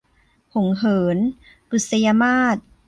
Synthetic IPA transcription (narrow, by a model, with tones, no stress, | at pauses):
ho˩˦ŋɦɤː˩˦n | ʔu˨˩sa˧ja˧maː˥˩t̪̚